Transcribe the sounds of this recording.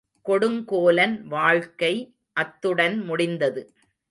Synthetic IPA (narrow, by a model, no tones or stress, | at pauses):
kɔɽɯŋkoːlɐnʋaːɻkɐɪ | ʔɐt̪ːɯɽɐnmʊɽɪnd̪ɐðɯ